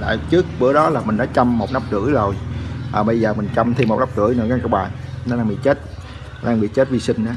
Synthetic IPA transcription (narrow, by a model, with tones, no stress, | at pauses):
la̰ː˧˨jt͡ɕɨ˦˥ək̚ɓɨ̰˧˩əɗɔ˨˦laː˨˩mï˨˩ŋ̟ɗɔ˨˦t͡ɕa˧mːo˨˩t̚na˦˥p̚kɨ̰˧˩əzo˨˩jʔaː˨˩ɓə˧jzəː˨˩mi˨˩ŋ̟t͡ɕa˧mt̪ʰi˧mo˨˩t̚na˦˥p̚kɨ̰˧˩əjnɔ˨˧˨kaː˧ŋka˧˩ɓaː˨˩jnɔ˨˦ɗaː˧ɓḭ˧˨t͡ɕe˦˥t̚ | ɗaː˧ŋɓḭ˧˨t͡ɕe˦˥t̚vi˧sï˧ŋ̟ʔaː˨˦